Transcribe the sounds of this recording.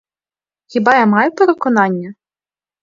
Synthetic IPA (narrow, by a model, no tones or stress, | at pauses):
xʲibɑjamɑjʊpeɾekɔnɑnʲːɐ